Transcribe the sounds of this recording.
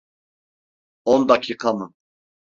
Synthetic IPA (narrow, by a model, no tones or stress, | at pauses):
ɔnd̪acʰiːqʰamɯ